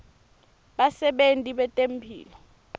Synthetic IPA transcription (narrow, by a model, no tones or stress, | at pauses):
ɓasɛɓentʼiɓɛtʼempʰḭːlɔ